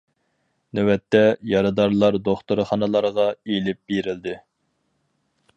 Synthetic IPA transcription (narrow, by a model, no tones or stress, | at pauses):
nɛwɛt̪ʰːɛjɑɾɨd̪ɑɾlˠɑɾd̪oχt̪ʊɾχɑnɨlˠɑɾʁɑelɪp̚b̥eɾɪld̪ɪ